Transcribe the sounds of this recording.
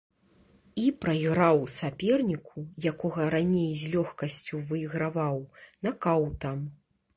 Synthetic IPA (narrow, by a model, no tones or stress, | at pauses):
ipɾɐjiɣɾawsʲapʲɛrnʲikʰujakɔɣɐɾanʲejzʲlʲɔxkɐsʲt͡sʲuvɨiɣɾavawnɐkawt̪am